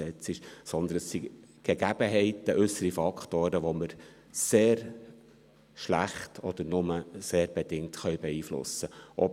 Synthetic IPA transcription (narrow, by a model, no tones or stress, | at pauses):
ɛt͡sɪʃsɔnd̪ənəsːiɡ̥ɛɡ̥æb̥əɦɛɪtəʔʏsəɾifɑkt̪oːɾəʋoməɾ | seːɾ | ʃlæχtʰɔd̥̪əɾnʊməseːɾb̥ɛd̥ɪŋtχœʏbɛiːflʊ̰səʔɔ